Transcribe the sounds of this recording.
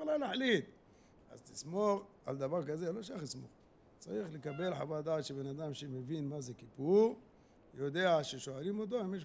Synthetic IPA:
lalaħlit̪ | a̰zt̪ismoχʕa̰ld̪avaʁkazeloʃaχt̪ismo̰χ | t͡sa̰ʁiχlekabe̞lħavad̪aːt̪ʃebenad̪amʃemevinmazekipuʁ | jod̪eaʃeʃoalimot̪̬oimjeʃ

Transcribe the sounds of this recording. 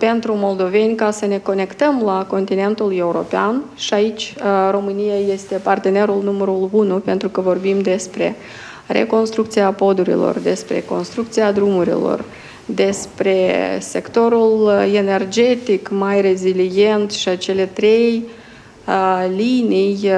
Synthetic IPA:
pe̞nt̪ɾumo̞ld̪o̞ve̞nʲkasəne̞ko̞ne̞kt̪əmlako̞nt̪ine̞nt̪ule̞uɾo̞peanʃiait͡ʃʲro̞mɨnijaje̞st̪e̞part̪e̞ne̞ɾulnuməɾulunupe̞nt̪ɾukəvo̞rbimd̪e̞spɾe̞̰ | re̞̰ko̞nst̪ɾukt̪siapo̞d̪uɾḭlo̞̰rd̪e̞spɾe̞̰ko̞nst̪ɾukt̪siad̪ɾumuɾḭlo̞̰r | d̪e̞spɾe̞se̞kt̪o̞ɾule̞ne̞rd͡ʒe̞t̪ikmajre̞zilije̞nt̪ʃiat͡ʃe̞le̞t̪ɾe̞j | linij

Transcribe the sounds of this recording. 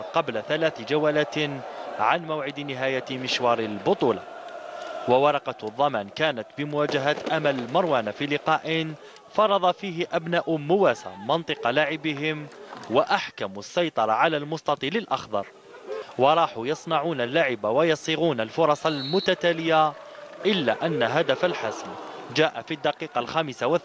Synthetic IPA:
qɑblaθalaːθd͡ʒawaːlat̪ʕanmawʕɪd̪nɪɦaːjamɪʃwɑːɾˤɪlbʊt̪ˤuːla̰ | wawɑɾˤɑqɑðˤːɑmaːnkaːnat̪bɪmʊwaːd͡ʒaɦat̪ʔamalmɑɾˤwaːnafiːlɪqɑːʔɪn | fɑɾˤɑd̪ˤɑfiːɦɪʔabnaːʔʊmʊwaːsa̰mɑnt̪ˤɨqɑlaʕɪbɪɦɪmwaʔaħkamsːɑjt̪ˤɑɾˤɑʕalaːlmʊst̪ɑt̪ˤiːlɪlʔɑxd̪ɑ̰ɾˤ | wɑɾˤɑːħujɑsˤnɑʕuːnalːaʕɪbawajɑsˤiɣuːnalfʊɾˤɑsˤɑlmʊt̪at̪aːlɪja | ʔɪlːa̰ʔanːaɦad̪afalħasnd͡ʒaːʔafid̪ːɑqiːqɑlxaːmɪsawa

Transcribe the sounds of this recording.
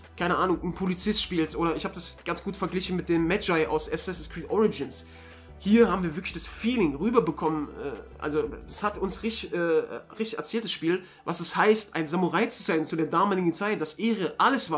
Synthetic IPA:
kʰaɪnəʔaːnʊŋn̩pʰolit͡sɪstʃpiːlsʔoːɾɐɪçhaːbədasɡ̥ansɡ̥uːtfɛɐɡlɪçn̩mɪt̚d̥eːmːɛd͡ʒaɪʔa̰ʊsʔɛsɛsskʁ̥iːtʔɔʁɪd͡ʒɪns | hiːɐhaːbm̩viːɐvɪɐklɪçd̥asfiːlɪŋʁyːbɐbəkʰɔmənʔɛ̰ːʔa̰lzoɛshatʊnsʁɪʔɛːʁɪçtɪçʔɛɐt͡sɛːltd̥asʃpiːl | vasɛshaɪstʔa̰ɪnzamuʁaɪt͡suzaɪnt͡sudeːɐdaːmaːlɪɡŋ̩t͡saɪt̚d̥asʔeːʁəʔaləsv̥aː

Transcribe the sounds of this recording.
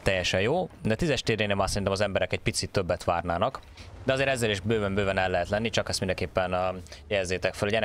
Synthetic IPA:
t̪ɛjːɛʃɛjjoːd̪ɛt̪izɛʃt̪eːɾeːnemaːsɛɾint̪ɛmɒzɛmbɛɾɛkɛc̚pit̪sit̪ːøbːɛt̪ʋaːrnaːnɒk | d̪ɛɒzeːɾɛzːɛleːʃbøːvɛmbøːvɛnɛlːɛɦɛt̪lɛnːit͡ʃɒkɛst̪mind̪ɛŋkeːpːɛnjɛzːeːt̪ɛkfølhoɟɛnɛ

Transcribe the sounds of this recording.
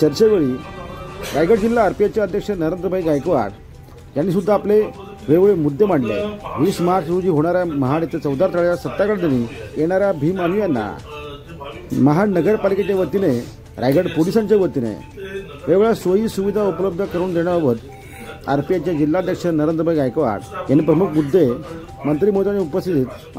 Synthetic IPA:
t͡ɕəɾt͡ɕeʋəɭiː | ɾajɡəɽd͡ʑilːaːɾpijat͡ɕjaəd̪ʱjəkʂənəɾend̪ɾəbʱaiɡajkʋa̰ɽ | janːiːsud̪ʱːaːple | ʋeʋɭemud̪ʱːem̤aʈlḛʋiːsmaɾt͡ɕɾud͡ʑiːɦoɽ̃aɾjaməɦanet̪et͡səwd̪ʱaɾt̪aɭasət̪ːakəɽd̪eniːjeɽ̃aɾjabʱiːmanijanːa̰ | məɦanəɡəɾpaliket͡ɕeʋət̪ine | ɾajɡəɽpolisaɲt͡ɕeʋət̪inḛ | ʋeʋɭjasʋəɦiːsuʋid̪ʱaupləb̚d̪ʱəkəɾuːnd̪eɽ̃aʋət̪ | a̰ɾpiat͡ɕjad͡ʑilːad̪ʱjakʂənəɾend̪ɾəbʱajɡajkʋa̰ɽjanːipɾəmukʰmud̪ʱːe | mənt̪ɾiːmot̪aneupəst̪it̪it̪

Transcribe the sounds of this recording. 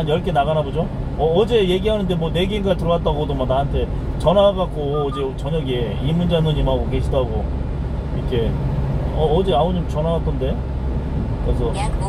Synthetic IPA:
anjʌɭk͈e̞naɡanabod͡ʑo | ʌːd͡ʑe̞je̞ɡiɦanɯndemwʌne̞ɡenɡaɭtɯɾʌwat͈aɡodomanaɦantʰe̞ | t͡ɕʌnaaɡak͈oːd͡ʑet͡ɕʌɲʌɡie̞ | imːund͡ʑanuɲimɦaɡoke̞ɕʰidaɦaɡo | iikʰe̞ | ʌːd͡ʑeamod͡ʑomt͡ɕʌnaɡat͈ʌnde̞ | kɯɾes̬ʰʌ

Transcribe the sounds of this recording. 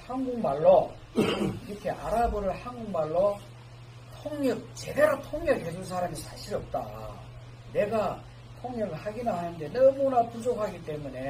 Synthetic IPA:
hanɡuŋmaɭːo | iɾʌkʰe̞ʔa̰ɾabɯɾɯɭhanɡuŋmaɭːo | tʰoŋɲʌk̚t͡ɕe̞de̞ɾotʰoŋɲʌkɦed͡ʑuns̬ʰaɾamisʰaɕʰiɾʌp̚t͈a̰ | ne̞ɡa | tʰoŋɲʌɡɯɭhaɡinahanɯnde̞nʌmunapud͡ʑokʰhaɡit͈e̞mune̞

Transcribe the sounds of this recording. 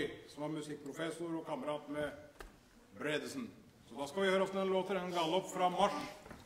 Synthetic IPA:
ɪsɔmhɑɾmʉsɪk̚ːpʰɾʊfɛsʊɾɔkʰɑməɾɑːt̪mɛ | bɾed̪əsn | sɔd̪ɑskɑʋɪhøːɾəɔft̪əɛnloːt̪əɾɛnɡɑlɔpfɾɑmɑʂ

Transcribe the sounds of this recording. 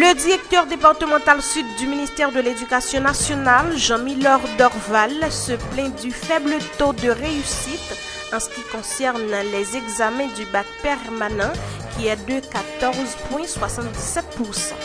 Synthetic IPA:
ləd̪iʁɛk̚t̪œʁd̪epaʁt̪əmɑ̃t̪alsyd̪̚ːyminist̪ɛʁd̪əled̪ykasjɔ̃nasjɔnalʒɑ̃milɔʁd̪ɔʁvalsəplɛ̃d̪yfɛblət̪od̪əʁeysit̪ | ɑ̃sə̥kʲikɔ̃sɛʁnlɛzɛɡzamɛ̃d̪ybak̚pɛʁmanɑ̃ | kʲiɛd̪əkat̪ɔʁzpwɛ̃swasɑ̃t̪sɛt̪̚puʁsɑ̰̃

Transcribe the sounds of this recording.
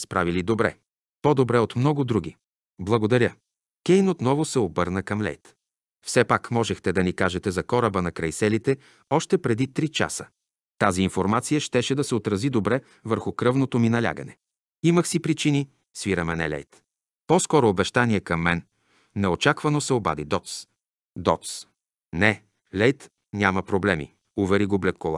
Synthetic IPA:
spɾa̰vilid̪obɾɛ̰ | pod̪obɾɛot̪mnɔɡʊd̪ɾuɡ̟ʲi | blˠɐɡod̪ɐɾʲjə | kʲɛjnot̪nɔvʊsɛobɤɾnəkɐmlʲɛ̰jt̪ | fsɛpakmɔʒɛxt̪ɛd̪ɐnikaʒɛt̪ɛzɐkɔɾəbənɐkɾɐjsɛlit̪ɛ | ɔʃt̪ɛpɾɛd̪it̪ɾit͡ʃa̰sə | t̪aziːnfoɾmat̪sijəʃt̪ɛʃɛd̪ɐsɛot̪ɾɐzid̪obɾɛ | vəɾxʊkɾɤvnot̪ominɐlʲa̰ɡə̰nɛ̰ | iməxsipɾit͡ʃini | sviɾɐmɛnɛ̰lʲɛ̰jt̪ | pɔskɔɾoːbɛʃt̪aniɛkɐmːɛnː | ɛot͡ʃakvɐnosɛoba̰d̪id̪ɔt̪s | d̪ɔt̪s | nɛ | lʲɛjt̪ | nʲamɐpɾoblɛmḭ | ʊvɛɾiɡoblɛt̪̚kolˠa̰

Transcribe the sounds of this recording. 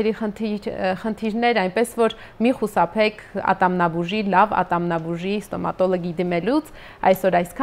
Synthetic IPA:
ɛɾiəiχənt̪ʰiɾnɛɾɑjnpɛsvɔɾ | miχusɑpʰɛkʰɑ̰t̪ɑmnɑbuʒilɑvɑ̰t̪ɑmnɑbuʒist̪ɔmɑ̰t̪ɔlɔɡid̪imɛlut͡sʰ | ɑ̰jsɔɾɑjskʰɑ

